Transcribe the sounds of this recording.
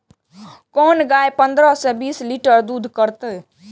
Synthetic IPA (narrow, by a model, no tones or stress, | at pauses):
kɔːnɡaːjpə̃nd̪ɾəɦsẽbiːsliʈəɾd̪uːd̪ʱkəɾt̪ɛ